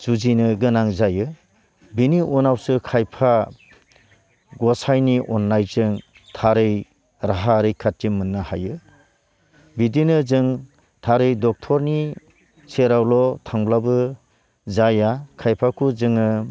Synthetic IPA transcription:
z̥uzinɯɡɯnaŋzajɯ | biniʔunawsɯkʰajpʰa | ɡɔsajniʔɔnlajzɯŋ | tʰaɾɯj | ɾaɦaɾɯjkʰatːimɯnːɯhajɯ | bidinɯzɯŋ | tʰaɾɯjdɔk̚tʰɔɾni | seɾawlɔtʰaŋblabɯ | zajakʰajpʰakʰuzɯŋɯ

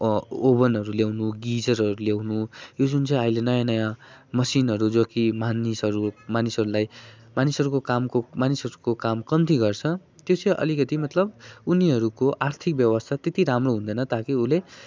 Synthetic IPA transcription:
obʌnɦʌɾuljawnuɡid͡zʌrʌɾuljawnujod͡zunt͡sʌ̃j̃ʌjlenʌjãnʌjãmʌsinɦʌɾud͡zʌkimanisʌɾumanisʌɾulajmanisʌɾukokamkomanisʌɾukokamkʌmt̪iɡʌrt͡sʰʌt̪jot͡sʌʔʌ̰likʌt̪imʌt̪lʌbuniɦʌɾukoʔart̪ʰik̚bjʌwʌst̪ʰat̪et̪iɾamroɦũnd̪ʌjnʌt̪akiule

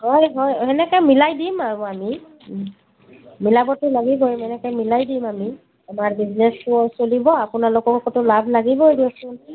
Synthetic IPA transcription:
hɔjɦɔjɛnɛkajmilajdimaami | milabɔtʊlaɡibɔmɛnɛkajmilajdimami | amaɹbiznɛsʊsolibɔapʊnalokɔkɔtʊlabʱlaɡibɔediasʊn

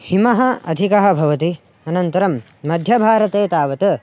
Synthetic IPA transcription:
himɐɦɐɐ̰d̪ʱikɐɦɐ̆bʱɐʋɐt̪i | ɐnɐnt̪ɐɾɐmː | ɐd̪ʱjɐbʱaːɾɐt̪eːt̪aːʋɐt̪ɐ

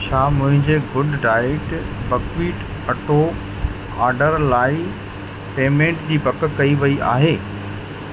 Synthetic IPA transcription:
t͡ɕʰaːmʊ̃ɦɪ̃ɲd͡ʑeɡʊɖɖaːɪʈbɐkʋiːʈ | ɐʈoː | aːɾɖəɾlaːi | peːmẽːɳʈd͡ʑiːpɐkkɐiʋɐiʔa̰ːɦeː

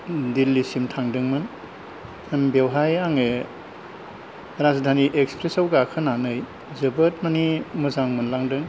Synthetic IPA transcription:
dilːisimtʰaŋdɯŋmɯn | mbewɦajaŋe | ɾazdʱaniʔekspɾesawɡakʰɯnanɯj | zɯbət̚manimuzaŋmɯnlaŋdɯŋ

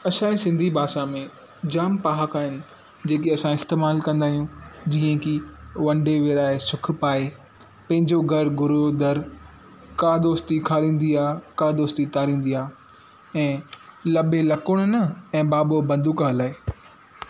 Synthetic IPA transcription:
ɐʃãːisɪ̃nd̪ʱibʱaːʃamẽ | d͡ʑaːmpaːɦəkaːɦɪnɪ̆ | d͡ʑeːk̬eɐsãɪst̪eːmaːlkɐ̃nd̪aːɦijũd͡ʑiːə̃kiʋɐ̃ɳɖeʋeɾaːesʊk̆ʰpaːe | pɐ̃ɦɪ̃ɲd͡ʑoɡʱɐɾɡʊɾod̪ɐɾ | kaːd̪oːst̪ikʰaːɾĩːn̆d̪iaːkaːd̪oːst̪it̪aːɾĩːn̆d̪ijaː | ɛ̃ːlɐbelɐkʊɽ̃ʊnɐɛ̃ːbaːbobɐ̃nd̪ʱukaːlaːe

